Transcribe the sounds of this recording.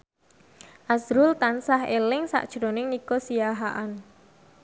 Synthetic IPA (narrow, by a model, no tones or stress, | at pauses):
ʔasɾʊlt̪ansaɦelɪŋsa̰ʔd̥ʒ̥ɾo̤nɪŋnikosijaɦaʔan